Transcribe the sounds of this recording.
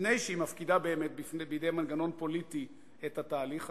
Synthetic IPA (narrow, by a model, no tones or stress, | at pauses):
nejʃeimafkidabe̞ːme̞t̪̚bifbejid̪ejmanɡano̞npo̞lit̪i | et̪hat̪aːliχ